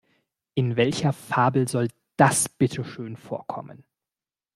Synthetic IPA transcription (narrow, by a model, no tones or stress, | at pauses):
ʔɪnvɛlçɐfaːbl̩zɔl | d̥asb̥ɪtʰəʃøːnfoːɐkʰɔ̰mə̰n